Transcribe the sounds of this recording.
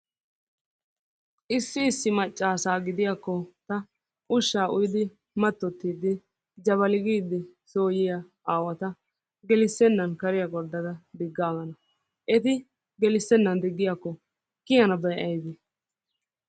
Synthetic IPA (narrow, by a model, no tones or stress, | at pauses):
ʔɪsːɪːsːɪmɐt͡ʃʼːaːsaːɡɪd̪ɪjakːɔt̪ɐ | ʔʊʃːaːʔʊjd̪ɪ | mɐt̪ːɔt̪ːiːd̪ːɪ | d͡ʒɐβɐlɪɡiːd̪ːɪso̞ːjɪjɐ | aːwɐt̪ɐ | ɡɛlɪsːɛnːɐnkɐɾɪjɐɡɔd̪ːɐd̪ɐd̪ɪɡːaːɡɐnɐ | ʔɛt̪ɪ | ɡɛlɪsːɛnːɐnd̪ɪɡːɪjakːɔ | kɪjɐnɐbɐjʔɐjd̪ɪ